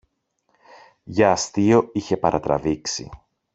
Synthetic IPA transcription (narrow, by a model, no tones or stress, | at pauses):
ʝɐːst̪io̞içe̞pɐɾʔɐt̪ɾɐ̰viksḭ